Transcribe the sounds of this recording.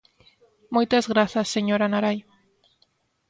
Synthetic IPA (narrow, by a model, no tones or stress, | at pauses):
mujt̪azɣɾaθasːeɲoɾanaɾaj